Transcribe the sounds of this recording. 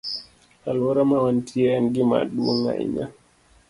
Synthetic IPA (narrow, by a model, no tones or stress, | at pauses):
alwɔɾamawantʰiɛnɡima̰ɗuo̰ŋa̰ḭɲa̰